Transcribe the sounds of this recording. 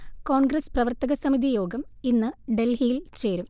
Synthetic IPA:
ko̞ːɳɡɾɐsprɐʋɐrt̪ɐɣɐsɐmid̪ijo̞ːɡɐminːɨɖe̞lɦijilt͡ɕe̞ːɾum

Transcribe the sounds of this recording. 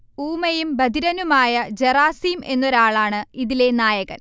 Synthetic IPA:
uːmɐjumbɐd̪ʱiɾɐnumaːjɐd͡ʑeraːsiːme̞nːoɾaːɭaːɳɨiðile̞naːjɐɣɐ̰n

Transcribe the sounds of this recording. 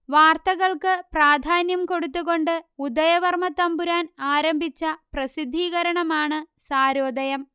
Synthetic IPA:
ʋaːrt̪ɐɣɐɭkɨpraːd̪ʱaːnjɐmko̞ɽut̪ːuɣo̞ɳɖɨud̪ɐjɐʋɐrmɐt̪ɐmbuɾaːnaːɾɐmbʱit͡ɕːɐprɐsid̪ʱːiːɣɐɾɐɳɐmaːɳɨsaːɾoːd̪ɐjɐm

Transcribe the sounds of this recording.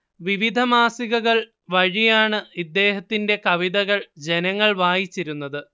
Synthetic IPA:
ʋiʋid̪ʱɐmaːsiɣɐɣɐɭ | ʋɐɻijaːɳɨid̪ːe̞ːhɐt̪ːinde̞kɐʋiðɐɣɐɭd͡ʑe̞nɐŋːɐɭʋaːjit͡ɕːiɾunːɐðɨ

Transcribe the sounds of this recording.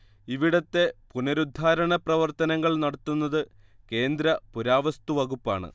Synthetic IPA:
iʋiɽɐt̪ːe̞punɐɾud̪ʱːaːɾɐɳɐprɐʋɐrt̪ɐnɐŋːɐɭnɐɽɐt̪ːunːɐðɨ | ke̞ːnd̪ɾɐpuɾaːʋɐst̪uʋɐɣupːaːɳɨ̰

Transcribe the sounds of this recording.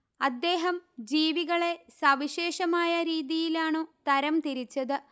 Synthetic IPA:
ɐd̪ːe̞ːɦɐmd͡ʑiːʋiɣɐɭe̞sɐʋiɕe̞ːʂɐmaːjɐɾiːðijilaːɳɨt̪ɐɾɐmt̪iɾit͡ɕːɐðɨ

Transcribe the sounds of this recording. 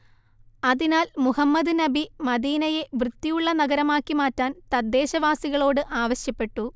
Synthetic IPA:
ɐðinaːlmuhɐmːɐd̪ɨnɐbimɐd̪iːnɐje̞ʋrɨd̪ːijuɭːɐnɐɡɐɾɐmaːkːimaːtːaːnt̪ɐd̪ːeːɕɐʋaːsiɣɐɭo̞ːɽɨʔaːʋɐɕjɐpːe̞ʈːu

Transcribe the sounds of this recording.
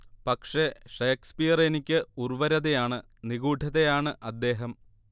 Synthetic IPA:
pɐkʂe̞ʂeːkspijɐrenikʲːɨurʋɐɾɐðejaːɳɨ | niɣuːɖʱɐðejaːɳɨʔɐd̪ːe̞ːɦɐm

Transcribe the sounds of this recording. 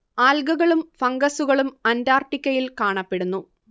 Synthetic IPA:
aːlɡɐɣɐɭumfɐŋɡɐsuɣɐɭumɐndaːrʈːikʲːɐjilkaːɳɐpːe̞ɽunːu

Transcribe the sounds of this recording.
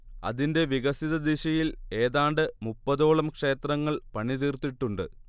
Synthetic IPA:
ɐ̰ðinde̞ʋiɣɐsiðɐd̪iɕɐjile̞ːðaːɳɖɨmupːɐðo̞ːɭɐmkʂe̞ːt̪rɐŋːɐɭpɐɳiðiːrt̪ːiʈːuɳɖɨ̰

